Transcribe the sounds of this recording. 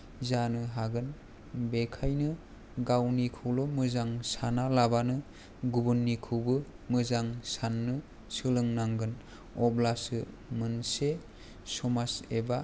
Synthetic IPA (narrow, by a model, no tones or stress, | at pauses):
zanɯɦaɡɯn | bekʰajnɯ | ɡawnikʰɯwlɔmɯzaŋsanalabanɯ | ɡubɯnːikʰɯwbɯ | mɯzaŋsanːɯ | sɯlɯŋnaŋɡɯn | ɔblasɯ | mɯnse | sɔmaseba